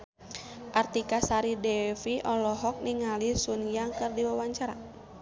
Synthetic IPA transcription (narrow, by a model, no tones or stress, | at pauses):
ʔart̪ikasaɾidɛfiʔɔlɔɦɔk̚niŋalisunjaŋkɨrdiwawaɲt͡ʃaɾa̰